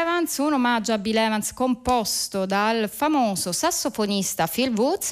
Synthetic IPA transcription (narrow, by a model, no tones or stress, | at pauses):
vant̪sunomad͡ʒabilɛːvant̪skompɔst̪od̪alfamoːsosasːofonist̪afilvut̪s